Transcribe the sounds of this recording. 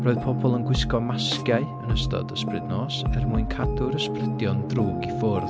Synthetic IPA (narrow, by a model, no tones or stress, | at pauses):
rɔːɨðpʰɔbɔlˠənɡwɪskɔmaskjaɨənəstɔ̰dəsprɨdnɔːsɛrmuɨnkʰadʊɾəsprɪdjɔndruːɡifʊrð